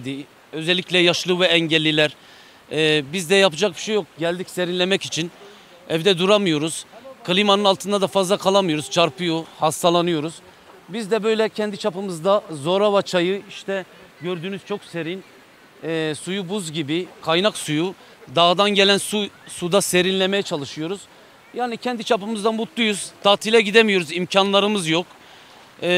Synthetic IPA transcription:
d̪i | ø̞zɛlʲːiclʲɛjaʃlˠɯvɛɛɲɟɛlʲːilʲæɾː | bizd̪ɛjapɯd͡ʒak̚bi̥ʃejːok̚ɟælʲd̪icse̞ɾinlʲemɛcit͡ʃʰin | ɛvd̪ɛd̪uɾamɯjo̞ɾuz̥kʰalʲˠimanɯnalˠt̪ɯnd̪ad̪afazlˠakʰalˠamɯjo̞ɾuz̥t͡ʃʰaɾpʰujohast̪ʰalˠanɯjo̞ɾuz̥ | bizd̪ɛbø̞jlʲɛcʰɛnd̪it͡ʃʰapɯmɯzd̪azo̞ɾavat͡ʃʰajɯiʃt̪ʰɛ | ɟøɾd̪yːnyz̥t͡ʃʰo̞kse̞ɾinː | sujubuzɟibikʰajnaksuju | d̪aːd̪anɟe̞lʲænsusud̪ase̞ɾinlʲeme̞jɛt͡ʃʰalˠɯʃɯjo̞ɾuz̥ | jaːnicʰɛnd̪it͡ʃʰapɯmɯzd̪anbut̪ʰlˠujuz̥d̪̥ʰaːt̪ʰilʲɛɟid̪emijo̞ɾuzimcʰanlˠaɾɯmɯzjokː

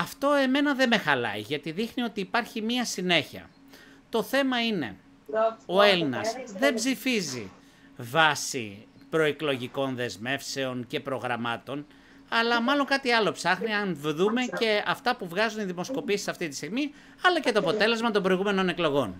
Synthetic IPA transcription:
ɐft̪o̞e̞me̞nɐðe̞me̞xɐlɐ̰ḭʝɐt̪iðixnio̞t̪iːpɐɾçimiɐsine̞çiɐ̰ | t̪oθe̞mɐine̞̰ | o̞e̞linɐ̰sðe̞bzifizḭ | vɐsḭ | pɾo̞iklo̞ʝiko̞nðe̞zme̞fse̞o̞nce̞pɾo̞ɣɾɐmɐt̪o̞n | ɐlɐmɐlo̞ŋkɐt̪iɐlo̞psɐxniɐnvðume̞ce̞ɐft̪ɐpuvɣɐzuniðimo̞sko̞piesi̥sɐft̪it̪ist̪iɣmi | ɐlɐcet̪o̞ɐpo̞t̪e̞le̞zmɐt̪ombɾo̞iɣume̞no̞ne̞klo̞ɣo̞n

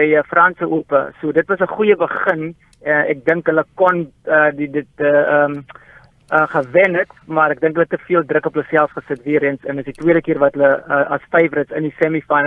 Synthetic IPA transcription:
əjəfrɐnsəʔupə̰suədətvɐsəχujəbəχən | ɛnɛ̰k̚dəŋkɦələkɔnədidət̚əəm | əχəvɛnətmɐɾɛk̚dəŋkɦələtəfiəlˠdrəkɔpələsɛlˠsχəsətviəɾiənsɛndəsditwiəɾəkiərvɐtələəʔɐsfɛjfrətsəndisɛmifɐn

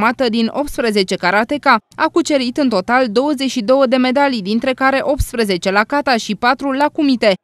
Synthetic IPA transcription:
mat̪əd̪inʔo̞p̚t̪spɾəze̞t͡ʃe̞kaɾat̪e̞kaakut͡ʃe̞ɾit̪ɨnt̪o̞t̪ald̪o̞wəze̞t͡ʃʃid̪o̞wəd̪e̞me̞d̪alid̪int̪ɾe̞kaɾe̞ʔo̞p̚t̪spɾeze̞t͡ʃe̞lakat̪aʃipat̪ɾulakumit̪e̞

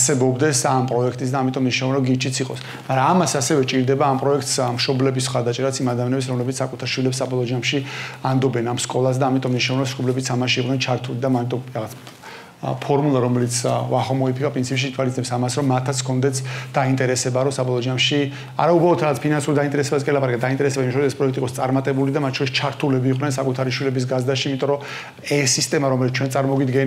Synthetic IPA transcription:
sɛbɔbd̪ɛsampʼɾɔɛkʰt̪ʼis̬d̪aːmit̪ʼɔmniʃnɔvnɔɡit͡ʃʰit̪sʰiqʼɔ̰s | maɾaːmasasɛvɛt͡ʃʼiɾd̪ɛbaːmpʼɾɔɛkʰt̪smʃɔblɛbisχaɾd̪at͡ʃʼɛɾasimad̪amjanɛbs̬ɾɔmlɛbit̪sakʼut̪ʰaɾʃwilɛpsːabɔlˠɔd͡ʒamʃiand̪ɔbɛnamskʼɔlˠas̬d̪aːmit̪ʼɔmniʃnavɛɾɔsʃkɔblɛbit̪sʰamaʃiiqʼnɛnt͡ʃʰaɾt̪ʰulid̪amant̪ʼɔɾaʁat̪sʰ | pʰɔɾmulˠaɾɔmɛlit̪sʰvaχɔmɔipʰikʼapʼɾint̪sʰipʃint̪ʰwalit̪ɛpsamasɾɔmːat̪ʰːat̪sʰkʰɔnd̪ɛt̪sʰd̪̥aint̪ʼɛɾɛsɛbaɾɔsabɔlˠɔd͡ʒamʃi | a̰ɾaubɾalˠɔt̪ʰɾaʁat̪sʰpʰinansuɾd̪aint̪ʼɛɾɛsɛbaskʼɛlapʼaɾakɛd̪aint̪ʼɛɾɛsɛbaimaʃʰɔɾisɛspʼɾɔɛk̚ʰt̪ʼikʼɔst̪sʼaɾmat̪ʼɛbulid̪amat̪ʰt͡ʃʰɔɾist͡ʃʰaɾt̪ʰulɛbiːqʼnɛnsakʼut̪ʰaɾiʃwilɛbis̬ɡazd̪aʃiiːmit̪ʼɔɾɔ | ɛsːist̪ʼɛmaɾɔmɛlit̪ʰt͡ʃʰwɛnsʼaɾmɔɡid̪ɡɛn

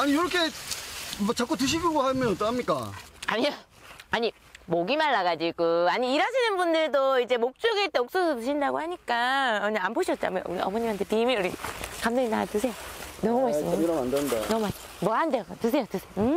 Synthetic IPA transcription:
aɲijoɾʌkʰe | mʌt͡ɕak͈otɯɕ̬ʰibjoɡoɦamjʌnʌt͈ʌnhamɲik͈a̰aɲia | aɲi | moɡimaɭːaɡad͡ʑiɡoaɲiːɾaɕʰinɯnbundɯɭdoid͡ʑe̞mok̚t͡ɕ͈oɡeɭt͈eok̚s͈osʰotɯɕʰindaɡohaɲik͈aʌɲaamboɕʰʌt̚t͡ɕ͈a̰maṵɾḭʌ̰mʌɲimɦantʰetiimiuɾikamdoŋinatɯsʰe̞jonʌmumaismiɾʌmandɯnda̰nʌmas | mwʌɡaɦandeɡatɯsʰe̞jotɯsʰeo

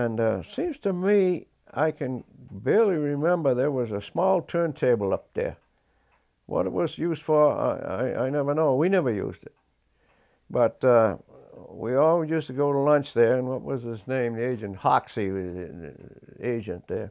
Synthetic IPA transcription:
ɨ̃ntsĩmz̥tʰɨmi | a̰ɪkʰɨ̃nbɪlˠiɹɪmɛ̃mbə˞ðə˞wʌzəsmɔlˠtʰɜ̃˞ntʰeɪbl̩ˠʌp̚ðə̰˞ | wʌ̰ɾɨ̰t̚wʌzjʉzd̥fə˞a̰a̰ɪa̰ɪnɛvə˞noʊwinɛvə˞jʉ̰zdɨt̚ | b̥ʌt | wiɔlˠjʉstɨɡoʊɾəlʌ̃nt͡ʃðə˞ɨ̃nwʌt̚wʌzɪznẽɪ̃mðieɪd͡ʒɨ̃nt̚hɑ̰ksḭ | ḛɪd͡ʒɨ̃nðə̰˞

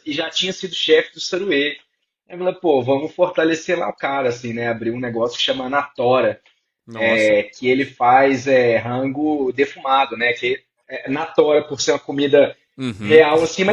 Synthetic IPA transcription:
ɪʒat͡ʃĩɲɐsid̪ʊʃɛfɪd̪ʊsɐɾue | mlẽpovɐ̃mʊfoɾt̪alesela̰ʊkaɾɐasĩnɛabɾiũneɡɔsjʊ̥kɪ̥ʃɐ̃mɐnat̪ɔɾɐ | nɛkɪelɪfajzɛɦɐ̃ɡʊd̪efumad̪ʊnɛke | ɛnat̪ɔɾɐpoɾseɾũmɐkomid̪ɐ | heawasĩmɐ

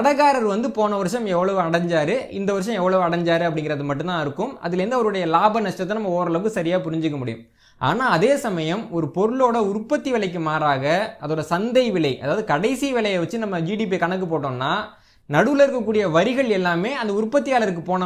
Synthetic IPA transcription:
ɐɽɐɣaːɾɐɾʋɐnd̪ɯpoːnɐʋɐɾʂɐ̃mɛʋːɐɭɐʋɯɐɽɐɲd͡ʒaːɾɯɪnd̪ɐʋɐɾʂ̬ɐ̃mɛʋːɐɭɐʋɯɐɽɐɲd͡ʒaːɾɯɐp̬ːɐɽɪŋɡɪɾɐðɯmɐʈːɯnt̪ãːɪɾɯkːɯmɐ̰ðɪlɛɾnd̪ɯɐʋɐɾɯɽɐjɐlaːbɐnɐʂʈːɐt̪ːɛnɐmːɐoːɾɐɭɐʋɯkːɯsɐɾɪjaːpʊɾɪɲd͡ʒɯkːɐmʊɽɪjɯ̰m | ʔa̰ːnaːɐðeːsɐmɐjɐmɔɾɯpɔɾɯɭoːɽɐʊɾpːɐt̪ːiʋɪɭɐɪk̬ːɯmaːɾaːɣɐɐðoːɽɐsɐnd̪ɐɪʋɪɭɐɪʔɐ̰ðaːʋɐðɯkɐɽɐɪsiʋɪlɐjɐʋɐt͡ʃːɯnɐmːɐd͡ʒiːɽiːp̬ikɐɳɐk̬ːɯpoːʈːõːnːaː | nɐɽɯʋɯlɐɪɾɯkːɐkːuːɽɪjɐʋɐɾɪɣɐɭɛlːaːmeːɐnd̪ɐʊɾpːɐt̪ːɪjaːlɐɾɯk̬ːɯpoːnɐ

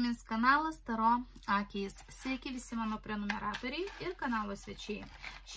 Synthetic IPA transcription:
mʲɪnskɐnɑːlˠɐst̪ɐɾoːɑːkʲɛjssʲʋʲɛkʲɪʋʲɪsʲɪmɑːnoːpʲɾʲɛnomʲɛɾɑːt̪oːɾʲɛɪɪɾkɐnɑːlˠoːsʲʋʲɛt͡ʃʲɛɪʃʲ

